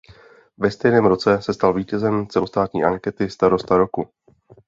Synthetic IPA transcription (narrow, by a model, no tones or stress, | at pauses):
vɛst̪ɛjnɛːmɾo̞t͡sɛsɛst̪alviːcɛzɛmt͡sɛlost̪aːt̪ɲḭːʔaŋkɛt̪ɪst̪aɾo̞st̪aɾoku